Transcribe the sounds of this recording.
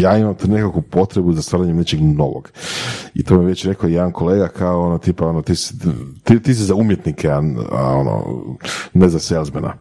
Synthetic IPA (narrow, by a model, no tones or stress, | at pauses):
jaːimamt̪une̞kakupo̞t̪ɾebuzast̪ʋaːɾaɲemnet͡ʃeɡno̞ʋo̰ɡ̥it̪omiʋet͡ɕɾe̞kojed̪anko̞leːɡakʰaoonot̪ipao̞not̪ist̪it̪is̬izaumjet̪nikʰeaa̰o̰no̰ | nezaselˠzbenʔa̰